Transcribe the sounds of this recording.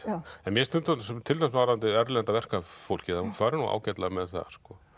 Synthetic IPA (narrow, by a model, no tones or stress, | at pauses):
ɛnmjɛst̪ʏnt̪anst̪ʰɪlamsmawɾaant̪ɪɛɾlɛant̪avɛr̥kafowl̥cɪaukʰvaːɾɪnua̰ːwcɛt̪lamɛðθa̰skɔ